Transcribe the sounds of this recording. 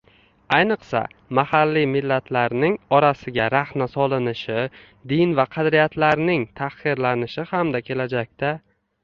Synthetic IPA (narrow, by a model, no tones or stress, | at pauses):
ajnɨqsa̰mahalːimɪlːat̪ʰlaɾnɪŋɒɾasɪɡʲaɾahmasɒlˠɪnɪʃɪ | d̪ɪnvaqʰɑd̪ɾijat̪laɾnɪŋt̪ʰaχɨɾlanɪʃɪhamd̪akʲʰe̞lad͡ʒak̚ʲt̪a